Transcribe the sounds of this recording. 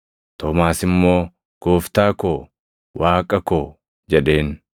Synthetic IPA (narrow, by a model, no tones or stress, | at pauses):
t̪ɔːmaːsɪmːo̞ː | ɡ̥oːft̪aːkoː | waːkʼɐkoː | d͡ʒɛᶑe̞ːn